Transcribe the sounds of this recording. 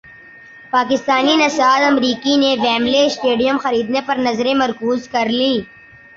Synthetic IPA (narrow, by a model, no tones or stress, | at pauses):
paːk̬ɪst̪aːninɐsaːd̪ɐmɾiːkineʋɛːmleɪsʈeːɖijəmxɐɾiːd̪nepɐɾnɐzɾẽmɐɾkuːzkɐɾlĩː